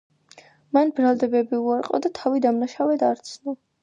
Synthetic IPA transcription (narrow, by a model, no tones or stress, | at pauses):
manbɾalˠd̪ɛbɛbiuaɾqʼɔ̰d̪at̪ʰavid̪amnaʃavɛd̪aɾt̪sʰnɔ